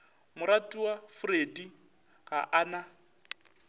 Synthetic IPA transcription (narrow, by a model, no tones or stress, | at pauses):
mʊɾatʼuafuredi | ɣa̰ʔaːna